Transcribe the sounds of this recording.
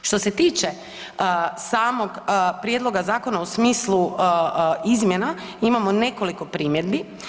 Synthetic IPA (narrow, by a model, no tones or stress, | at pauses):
ʃt̪o̞se̞t̪iːt͡ʃe̞ | saːmo̞ɡpɾjed̪lˠo̞ɡazaːko̞nausmiːslˠu | izmjenaimamo̞ne̞ko̞liko̞pɾiːmjed̪bi